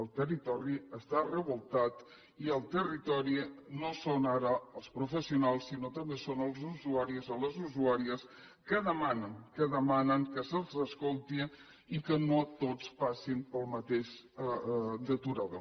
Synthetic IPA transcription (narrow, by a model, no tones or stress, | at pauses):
əlˠt̪ərit̪ɔɾiəst̪arəβulˠt̪at̪ | iəlˠt̪ərit̪ɔɾinosonaɾəəlˠspɾufəsiunalˠsːinot̪əmbesonəlˠzuzuaɾizoləzuzuaɾiəs | kəðəmanəŋkəðəmanəŋkəsəlˠzəskolˠt̪i | ikənot̪ot͡spasimpəlˠmət̪eʃ | d̪ət̪uɾaðo̰